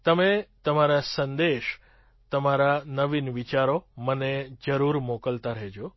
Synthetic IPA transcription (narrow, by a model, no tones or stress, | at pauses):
t̪əmet̪əmaɾasənd̪eʃ | t̪əmaɾanəʋinʋit͡ʃaɾoməned͡ʒəɾuɾmokəlt̪aɾəɦed͡ʒo